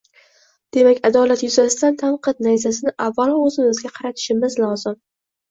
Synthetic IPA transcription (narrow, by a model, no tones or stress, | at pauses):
d̪̥e̞makʲad̪ɒlat̪jʊzasɪt̪ant̪ʰanqʰɨt̪̚najzas̬ɪnɪʔavːalˠɒɵzɪmɪzɡʲaqʰɑɾat̪ʰɪ̥ʃɪmɪzlɒzɪm